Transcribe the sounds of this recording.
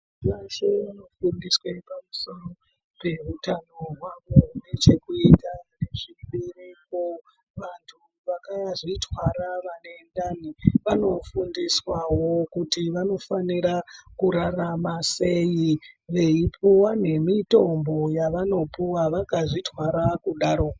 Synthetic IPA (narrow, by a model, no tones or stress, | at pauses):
ʋaʃeʋano̞fundiswepamuso̞ro̞ | pe̞rutano̞ɦwaʋone̞t͡ʃe̞kuitane̞ʐiɓereko | ʋantʰu | ʋakajaʐitʰwaɾaʋane̞ndaniʋano̞fundiswawo̞kutiʋano̞faniɾakuɾaramase̞jiʋe̞ipʰuwane̞mito̞mbo̞jaʋano̞puwaʋakaʐitwaɾakuɗaːɾo